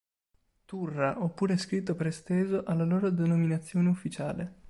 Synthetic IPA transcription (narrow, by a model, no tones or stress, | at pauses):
t̪urːaʔɔpːuːɾeskɾit̪̬ːopeɾest̪eːzoʔalːaloːɾod̪enominat̪sːjoːneufːit͡ʃaːle